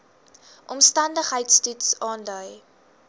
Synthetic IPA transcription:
ʔɔmstɐndəχɦəjtstutsɑːndœj

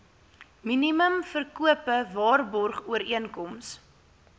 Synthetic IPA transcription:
miniməmfərkuəpəvɑːrbɔrχuəɾiənkɔms

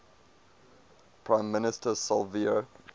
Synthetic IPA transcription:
pʰɹãɪ̃mːɪnɪstəsɔlvio

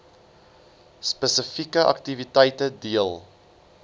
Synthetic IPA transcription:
spəsəfikəʔɐ̰ktivitɛjtədiəlˠ

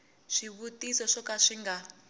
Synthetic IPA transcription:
ʂiβutʼisɔʂɔkaʂiŋɡa

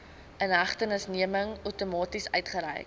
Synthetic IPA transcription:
ənɦɐχtənəsniəməŋœwtumɑːtisœ̰ɥtχəɾɛ̰jk

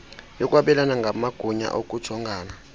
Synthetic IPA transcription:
jɔk̬ʼwaɓɛlanaŋɡʱamaɡ̥ʱuɲa̰ʔok̬ʼu̥ɔŋɡʱaːna

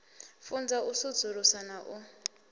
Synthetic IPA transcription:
fund͡zausu̥d͡zʱuɾusanaʔu

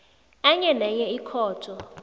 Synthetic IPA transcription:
aɲɛnɛɲɛikʰɔːtʰʼɔ

